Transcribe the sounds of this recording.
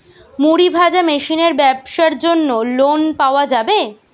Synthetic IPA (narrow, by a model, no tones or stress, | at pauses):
muɾibʱad͡ʑameʃineɾbɛbʃaɾd͡ʑonːolonpaoad͡ʑabe